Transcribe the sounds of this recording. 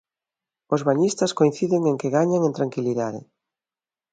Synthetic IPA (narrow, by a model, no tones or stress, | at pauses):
ozβaɲist̪askoĩn̟θiðeŋeŋkeɣaɲaŋẽnt̪ɾaŋkiliðaðɪ̰